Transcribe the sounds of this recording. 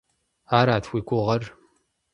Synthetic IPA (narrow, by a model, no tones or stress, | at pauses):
aːɾaːtʰxʷiːkʷʊʁɐr